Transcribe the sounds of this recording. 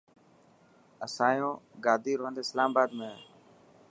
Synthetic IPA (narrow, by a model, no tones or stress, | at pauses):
əsãːjõːɡaːd̪iːɾoɦə̃nd̪eslaːmbaːd̪mẽː